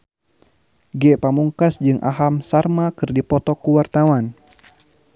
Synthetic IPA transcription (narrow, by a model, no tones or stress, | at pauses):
ɡɛpamuŋkasd͡ʒɨŋʔa̰ɦamsarmakɨrdipɔt̪ɔkuwart̪awan